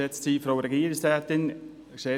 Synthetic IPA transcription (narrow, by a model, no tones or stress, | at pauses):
ɛt͡stsiːfɾoʊɾɛɡiːɾɪstaːt̪ɪn | kseː